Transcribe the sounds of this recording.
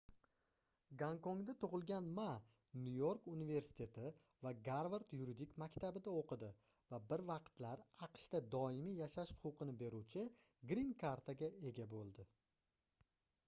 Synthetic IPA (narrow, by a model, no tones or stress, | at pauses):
ɡaŋkoŋd̪at̪ʰʊʁɨlˠɡʲanma | nujoɾkunive̞ɾsɪ̥t̪ʰe̞t̪ʰɪ | vaɡaɾvaɾt̪juɾid̪ikmakʲt̪ʰabɪd̪aoqʰɨd̪ɪvabɪɾvɑqt̪laɾɑqʃt̪ad̪ɒɪmijaʃaʃhʊ̥qʰʊqɨnɪbe̞ɾuwt͡ʃʰɪ | ɡɾinkʰaɾt̪ʰaɡʲae̞ɡʲabolˠd̪ɪ